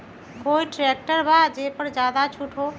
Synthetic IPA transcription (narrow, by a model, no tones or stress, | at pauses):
koiʈɾek̚ʈəɾbʱad͡ʒepəɾd͡ʒad̪at͡ʃʰuʈʰo